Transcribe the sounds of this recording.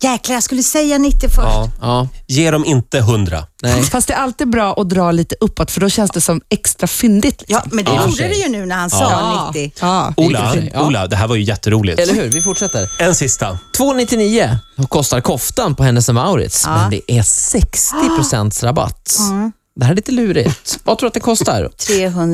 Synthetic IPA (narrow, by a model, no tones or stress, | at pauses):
jɛklajaskɵləəsɛjːanɪt̪ːɪfœʂɑːjeːɖɔmɪnt̪əɦɵnd̪ɾa̰nɛfast̪d̪ɛːɾalt̪iːd̪bɾɑːʔɔd̪ɾɑːliːt̪əʔɵpːɔt̪ːfœɖɔɕɛnsd̪ɛsɔmɛkst̪ɾafʏnd̪ɪt̪ʰlɪkssɔmmɛnd̪ɛjuːɾədɛjɵnʉ̟ːnæɾhansɑnɪt̪ːɪulaula̰d̪ɛɦæːɾvaɾjɵjɛt̪ːəɾuːlɪ̰ɛlːəɾɦʉ̟ːɾvɪfʊʈʂɛt̪ːəɾɛnsɪst̪at̪ʰvoːnɪt̪ːɪniːəkʰɔst̪aɾkʰɔft̪anpɔɦɛnːəsɛmaʊɾɪ̰t̪smɛnd̪ɛʔæsɛkst̪ɪpʰɾʊsɛnt̪sɾaba̰t̪ː | d̪ɛhæɾɛlɪnəlʉ̟ːɾɪ̰t̪vat̪ʰɾuːɾt̪̚d̪ɛkʰɔst̪a̰ɾt̪ʰɾeːɦɵn